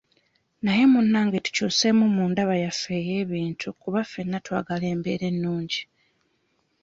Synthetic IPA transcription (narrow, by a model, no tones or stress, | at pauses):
naje̞munːaːŋɡetu̥cuse̞mumuːndaβajafe̞ːje̞ːβiːntʰukuβafe̞nːatwa̰ːɡale̞ːmbe̞̰ːɾe̞nːuːɲɟi